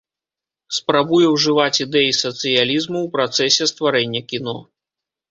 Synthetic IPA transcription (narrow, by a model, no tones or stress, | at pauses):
spɾabujɛwʐɨvat͡sʲid̪ɛjisɐt̪sɨjalʲizmuwpɾat̪sɛsʲɛst̪vaɾɛnʲːɐkʲinɔ